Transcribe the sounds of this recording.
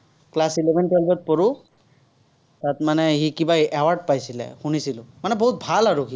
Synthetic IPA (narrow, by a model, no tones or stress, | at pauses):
klasilɛbʱɛnpɔlbɔt̚pɔɹu | tatmanɛhikibaɛwaɹɖ̚pajsilɛ̰xunisilʊ̃manɛboɦut̚bʱalaɹuki